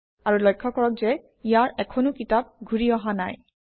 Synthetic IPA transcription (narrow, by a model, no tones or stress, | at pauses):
aɹulɔjkʰːɔkɔɹɔk̚zɛ | ijaɹɛkʰɔnokitab̚ɡʱuɹiɔɦana̰j